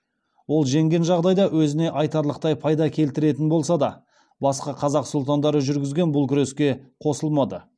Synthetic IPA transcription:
wo̞lˠʒe̞ŋɡʲe̞nʒɑʁd̪ɑjd̪ɑwɵzɪne̞ʔɑjt̪ɑɾlˠəqt̪ɑjpʰɑjd̪ɑkʲʰe̞lt̪ɪɾe̞t̪ɪnbo̞lˠsɑd̪ɑ | bɑsqɑqʰɑzɑqsʊlˠt̪ɑnd̪ɑɾəʒʏɾɡʲɪzɡʲe̞nbʊlˠkʲʰʏɾe̞skʲe̞qʰo̞səlˠmɑd̪ə

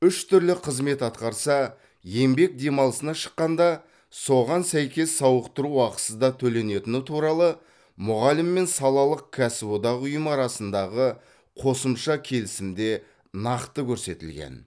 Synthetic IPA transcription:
ʏʃt̪ʰʏɾlɪqʰəzme̞t̪ɑt̪qɑɾsɑ | je̞mbe̞k̚d̪e̞mɑlˠəsənɑʃə̥qːɑnd̪ɑ | so̞ʁɑnsæjkʲe̞sːɑwəqt̪əɾuɑqə̥səzd̪ɑt̪ʰɵle̞ne̞t̪ɪnɪt̪ʰuɾɑlˠə | mʊʁɑlɪmːe̞nsɑlˠɑlˠəq̚kʲʰæsɪbod̪ɑʁʊjəmɑɾɑsənd̪ɑʁə | qʰo̞səmʃɑkʲʰe̞lɪsɪmd̪e̞ | nɑqt̪əkʲʰɵɾse̞t̪ɪlɡʲḛn

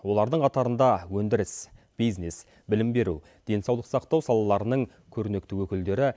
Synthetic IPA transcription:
wo̞lˠɑɾd̪əɴqʰɑt̪ɑɾənd̪ɑwɵnd̪ɪɾɪs | b̥ijznes | bɪlɪmbe̞ɾṵ | d̪̥e̞nsɑwlˠəqsɑq̚t̪ɑwsɑlˠɑlˠɑɾənəɴ | kʲʰɵɾne̞kt̪ɪwɵkʲɪld̪e̞ɾɪ

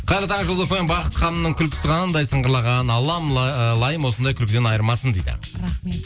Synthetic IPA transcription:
qʰɑjɾət̪ɑɴʒəlˠd̪əpojnbɑqət̪χɑnəmnəɴkʲʰʏlkʲɪ̥sɪqʰɑnənd̪ɑjsəɴʁəɾlˠɑʁɑnɑlˠɑmlˠɑjəmwo̞sənd̪ɑjkʰʲʏlkʲɪd̪e̞nɑjəɾmɑsənd̪ejd̪ɪ̰ | ɾae

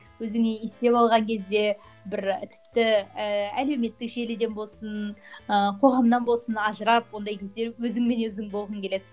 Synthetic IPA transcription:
wɵzɪŋeest̪e̞pɑlˠʁɑŋkʲʰe̞zd̪e̞ | bɪɾt̪ʰɪ̥pt̪ɪəæle̞wme̞t̪ːɪkʒe̞lɪd̪e̞nbo̞lˠsənəqʰo̞ʁɑmd̪ɑnbolˠsənɑʒəɾɑp̚wo̞nd̪ɑjkʲʰe̞zd̪e̞ɾwɵzɪŋme̞nwɵzɪŋbo̞lˠʁəŋkʲe̞le̞d̪ɪ

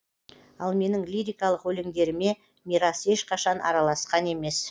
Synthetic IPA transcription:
ɑlˠme̞nɪŋlʲiɾʲijkɑlˠəqwɵleŋd̪e̞ɾɪme̞ | miɾɑse̞ʃqʰɑʃɑnɑ̰ɾɑlˠɑsqɑne̞me̞s

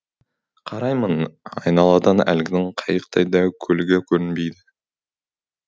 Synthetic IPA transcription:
qʰɑɾɑjmənɑjnɑlˠɑd̪ɑnæ̰lɡʲɪnɪŋqʰɑjəqt̪ʰɑjd̪ɑkʲʰɵlɪɡʲɪkʲʰɵɾɪnbejd̪ɪ

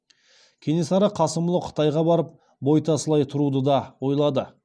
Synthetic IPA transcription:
kʲʰe̞ne̞sɑɾəqʰɑsəmlˠəqʰə̥t̪ɑjʁɑbɑɾəp̚ | bo̞jt̪ʰɑsəlˠɑjt̪ʰʊɾud̪əd̪ɑwo̞jlˠɑd̪ə

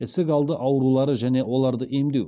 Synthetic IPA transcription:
ɪsɪkɑlˠd̪əʔɑwɾulˠɑɾəʒæne̞wo̞lˠɑɾd̪əʔemd̪ew

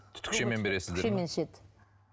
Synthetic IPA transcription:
t̪ʰʏ̥t̪ʰːɪ̥kʃeme̞nbe̞ɾe̞sɪzd̪eemenʃet̪

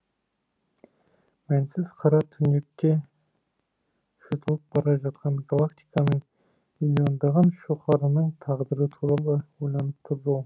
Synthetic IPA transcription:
mænsɪzqʰɑɾɑt̪ʰʏnekʲːe | ʃot̪ʰəlˠəp̚bɑɾɑʒɑt̪̚qɑnɡalˠakt̪ʲijkɑnəɴ | milʲio̞nd̪ɑʁɑnʃoχɑɾənəɴt̪ʰɑʁd̪əɾət̪ʰuɾɑlˠəwojlˠɑnəp̚t̪ʰʊɾd̪ul

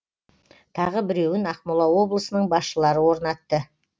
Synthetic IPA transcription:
t̪ʰɑʁəbɪɾe̞wɪnɑqmulˠɑwo̞blˠəsənəɴbɑsʃəlˠɑɾəwo̞ɾnɑt̪ːə

